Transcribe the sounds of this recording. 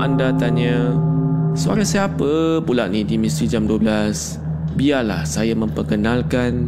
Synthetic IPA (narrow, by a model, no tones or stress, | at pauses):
ʔandat̪aɲə | səa̰ɾasapəpulaʔnidimist̪ɾid͡ʒamduəblas | biala̰hsajamə̃mpərkənalkan